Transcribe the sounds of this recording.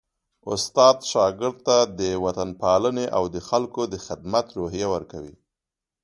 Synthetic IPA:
ʊst̪ɑd̪ʃɑɡɪɾd̪̚t̪ad̪əwat̪anpɑləneʔawd̪əxalkod̪əxɪd̪mat̪ɾoɦijawəɾkawḭ

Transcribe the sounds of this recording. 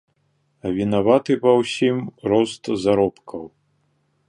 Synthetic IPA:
ɐvʲinavat̪ɨpɐwsʲimɾɔst̪zaɾɔpkʰɐw

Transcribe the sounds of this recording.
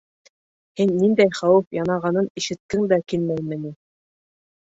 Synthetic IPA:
hinːind̪æjχɑwɘfjɑnɑʁɑnɤniʃɘ̆t̪̚kɘŋd̪ækilmæjmɘ̆ni

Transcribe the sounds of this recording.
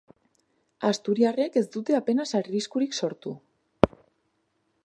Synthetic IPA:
ast̪uɾiare̞ke̞zd̪ut̪e̞ape̞nasaɾriskuɾikso̞ɾt̪u

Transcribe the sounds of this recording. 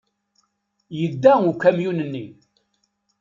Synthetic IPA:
jəd̪ːæukːæmjunənːi

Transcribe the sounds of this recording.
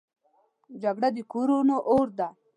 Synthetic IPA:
d͡ʒaɡɽad̪ikuɾunoʔoɾd̪a

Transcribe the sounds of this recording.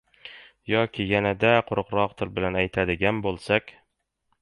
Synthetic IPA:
jɒkʲʰɪjanad̪aqʰʊɾʊ̆qɾɒqt̪ʰɪlbɪlanæjt̪ʰad̪ɪɡʲanbolˠsakʲ

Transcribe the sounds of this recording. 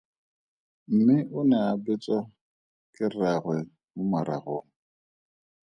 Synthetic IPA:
m̩mɪʔʊnɛabɪt͡sʼa | kʼɪraɣwɛ | mʊmaɾa̰ɣoːŋ̩

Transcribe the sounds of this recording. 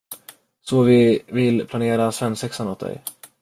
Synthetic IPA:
sɔvɪvɪlpʰlaneːɾasvɛnːsɛksanoːt̪̚d̪ɛ̰j

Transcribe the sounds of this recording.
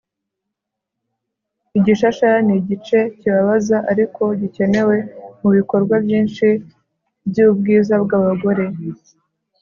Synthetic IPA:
iɟiʃaʃaniɟit͡ʃe̞ciβaβazaʔaɾikʰo̞ɟice̞ne̞we̞muβiko̞ɾɡwabjiːnʃi | bɟuub̚ɡiːzabɡaːβaɡo̞ɾe̞

